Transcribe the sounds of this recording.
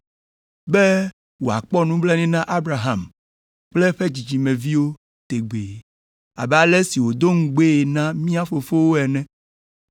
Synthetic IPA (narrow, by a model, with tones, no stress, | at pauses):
be˦ | wo˨a̰˨k͡pɔ˦nũ˦blɛ˦nĩ˦nã˦ʔa˦bɾa˨ɦa˨m | k͡ple˦ɸe˦d͡ʒd͡ʑi˨d͡ʑi˨mɛ̃˨vi˦wo˦ | t̪e˨ɡ͡be˨ | a̰˨bɛ˦˨a˨lɛ˦si˨wo˨d̪o˦ŋ̩˦ɡ͡be˦e˨nã˦mĩ˦a˦fo˨fo˦wo˦ɛ˨nɛ̃˦